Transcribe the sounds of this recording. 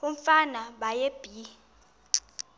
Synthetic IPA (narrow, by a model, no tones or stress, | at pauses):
uɱfanaɓajeb̥ʱi